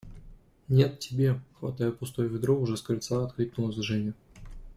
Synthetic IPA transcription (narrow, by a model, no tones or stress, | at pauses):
nʲe̞t̪tʲːɪbʲe̞xvɐ̰t̪ajʊpʊst̪ojəvʲɪd̪ɾoʊʐɛskɾʲɨlʲt̪saɐt̪kɾʲiknʊlˠəzʲʐɛnʲʊ